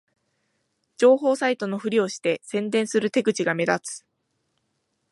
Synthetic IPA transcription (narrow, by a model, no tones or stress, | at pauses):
d͡ʑo̞ːɦo̞ːsait̪o̞no̞ɸɯ̟ɾʲio̞ɕi̥t̪e̞sẽ̞nd̪ẽ̞ɰ̃sɨɾɯ̟t̪e̞ɡɯ̟t͡ɕiɡame̞d̪at͡sɨ̥